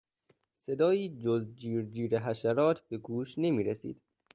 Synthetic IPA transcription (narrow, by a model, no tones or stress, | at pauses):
se̞d̪ɒːjiːd͡ʒozd͡ʒiːɾd͡ʒiːɾeɦæʃæɾɒːt̪ʰbe̞ɡuːʃne̞miːɾesḭːd̪̥